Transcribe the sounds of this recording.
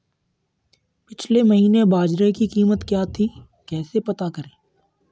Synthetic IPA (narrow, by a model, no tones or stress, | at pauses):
pɪt͡ʃʰlemɐɦiːnebaːd͡ʒɾekikiːmət̪kjaːt̪ʰiː | kɛːsepɐt̪akɐɾẽː